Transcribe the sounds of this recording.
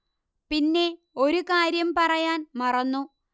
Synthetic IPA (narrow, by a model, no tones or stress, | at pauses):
pinːe̞ | o̞ɾukaːɾjɐmpɐrɐjaːnmɐrɐnːu